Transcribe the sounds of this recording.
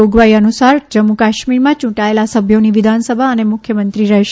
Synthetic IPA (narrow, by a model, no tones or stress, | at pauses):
oɡʋaiənusaɾd͡ʒəmukaʃmiɾmãt͡ʃũʈaelasəbʱjoniʋid̪ʱansəbʱaənemʊkʰjəmənt̪ɾiɾɛɦʃ